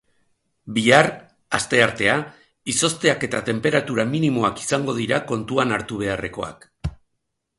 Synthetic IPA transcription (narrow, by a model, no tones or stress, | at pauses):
biar | ast̪e̞aɾt̪e̞a | iso̞st̪e̞ake̞t̪at̪e̞mpe̞ɾat̪uɾaminimo̞aki̥saŋɡo̞ðiɾako̞nt̪uanaɾt̪uβ̞e̞are̞ko̞̰a̰k